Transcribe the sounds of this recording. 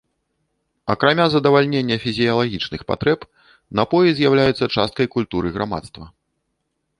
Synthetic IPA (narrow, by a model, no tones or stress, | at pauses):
ɐkɾamʲazɐd̪ɐvalʲnʲenʲːɐfʲizʲijɐlˠaɣʲit͡ʂnɨxpa̰t̪ɾɛp | nɐpɔjizʲjawlʲajut̪sːɐt͡ʂast̪̚kɐjkulʲt̪uɾɨɣɾama̰t̪st̪vɐ